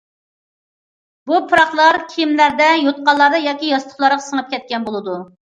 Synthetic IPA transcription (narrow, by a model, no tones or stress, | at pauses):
bupʰɨɾɑχlˠɑɾkʲʰijimlæɾd̪ɛjot̪̚qɑlˠːɑɾd̪ɑjɑːkʲijɑst̪ʊχlˠɑɾʁɑsəŋəp̚kʲɛt̪̚kʲɛnbolˠɨd̪u